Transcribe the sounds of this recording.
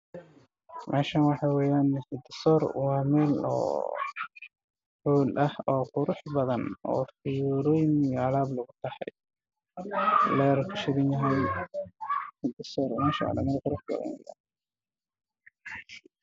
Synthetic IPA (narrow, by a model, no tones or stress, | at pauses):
mʔɛ̰ːʃanwɑħɑːwɛːjaːnsɪd̪ɪsɔːɾwɑːmɛːlɔ̰ː | ħuːlʔɐhɔːqʊɾʊħbɐðɐnɔ̰ːfɪjuɾɔːjmjalaːblɐɣʊt̪ʰɐhɑ̰j | lɛːɾkʰɐʃɪɾɪnjɐɦɛjn | hɪd̪ɪsɔːɾmɛːʃa̰lɐ̰mɛːlqʊɾʊħbɐ̰ðɐ̰nwɛ̰ja̰ːn